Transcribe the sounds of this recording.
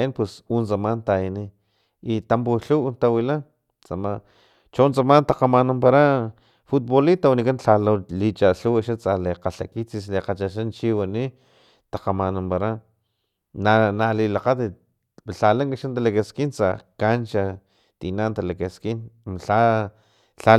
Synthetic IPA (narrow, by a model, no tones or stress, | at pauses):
inpwesunt͡samant̪ajini | it̪amp̬uɬunt̪awilan | t͡sama | t͡ʃont͡samant̪aqamanampaɾa | fut̪̚bolit̪awnikanɬalalit͡ʃaɬuwaʃat͡saleqaɬa̰kit͡sisleqat͡ʃaʃ̬ant͡ʃiwani | t̪aqamanampaɾa | nanalilaqat̪i | ɬalaŋkaʃant̪alakeskint͡sa̰kant͡ʃa | t̪inant̪alakeskinɬa | ɬa